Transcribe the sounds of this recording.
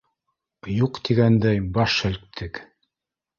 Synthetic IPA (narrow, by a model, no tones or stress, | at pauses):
juqt̪iɡænd̪æjbɑʃæ̆lk̚t̪ʰɘk